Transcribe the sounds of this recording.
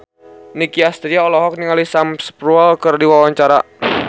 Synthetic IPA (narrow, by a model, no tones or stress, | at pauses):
nikiast̪ɾiaɔlɔɦɔk̚niŋalisamspɾuɛlkɨrdiwawaɲt͡ʃaɾa